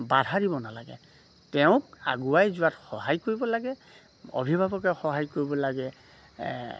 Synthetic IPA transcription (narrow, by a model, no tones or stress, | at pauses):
badʱaɹibɔnalaɡɛ̰ | tɛʊ̃ka̰ɡuajzuatxɔɦajkoɹibɔlaɡɛ | o̰bʱibʱabɔkɛxɔɦajkoɹibɔlaɡɛ